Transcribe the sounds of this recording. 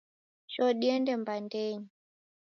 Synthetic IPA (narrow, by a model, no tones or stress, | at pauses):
ʃɔɗiɛndɛmbandɛɲi